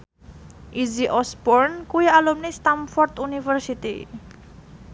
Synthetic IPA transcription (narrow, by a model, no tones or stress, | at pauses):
ʔiziʔɔsbɔɾnkuialumnist̪amfɔrt̪unifərsit̪ḭ